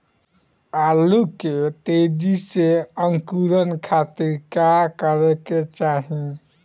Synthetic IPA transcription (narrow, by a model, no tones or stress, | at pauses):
aluket̪ed͡ʒiseəŋkuɾənkʰat̪iɾkakəɾɛket͡ʃaɦĩ